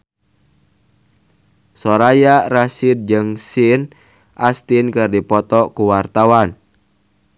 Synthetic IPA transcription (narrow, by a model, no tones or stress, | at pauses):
sɔɾajarasɪd̪̚d͡ʒɨŋsɪn | ʔast̪inkɨrdipɔt̪ɔkuwart̪awan